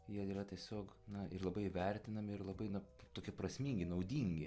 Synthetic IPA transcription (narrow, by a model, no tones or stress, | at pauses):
jiɛiːɾɐt̪ʲiɛsʲoːk | nɐɪrlˠɐbɐɪʋʲɛɾʲt̪ʲɪnɐmʲɪɪɾlˠɐbɐɪnɐt̪oːkʲiɛprɐsʲmʲiːŋʲɡʲɪnɐʊd̪ʲiŋʲɡʲɪ